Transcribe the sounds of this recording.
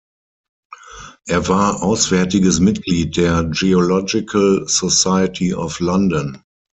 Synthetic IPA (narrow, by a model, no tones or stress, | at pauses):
ʔɛːɐvaːɐʔaʊsv̥ɛɐtɪɡəsmɪtɡliːt̚d̥eːɐd͡ʒiɔlɔd͡ʒɪkʰəlsɔsaɪətʰiɔflãndɔ̃n